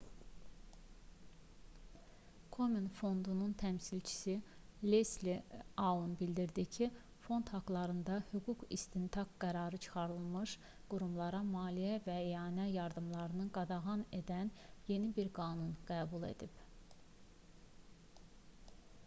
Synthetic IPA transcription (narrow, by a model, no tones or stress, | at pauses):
kʰo̞minfo̞nd̪ununt̪ʰæmsilt͡ʃʰi̥silesliɑunbild̪iɾd̪icʰi | fo̞nd̪hɑɡlˠɑɾɯnd̪ɑhyɡukḭst̪int̪ʰɑkɡæɾɑɾɯt͡ʃʰɯ̥χɑɾɯlˠmɯʃ | ɡ̥uɾumlˠɑɾɑmɑːlijævæeɑːnæjɑɾd̪ɯmlˠɑɾɯnɯɡɑd̪ɑɣɑne̞d̪ænje̞nibiɾɡɑːnunɡ̥æːbulˠe̞̰d̪ib